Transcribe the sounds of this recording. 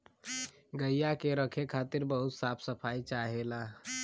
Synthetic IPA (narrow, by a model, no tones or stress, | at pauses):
ɡəjjakeɾəkʰekʰat̪iɾbəɦut̪sapʰsəpʰajt͡ʃaɦela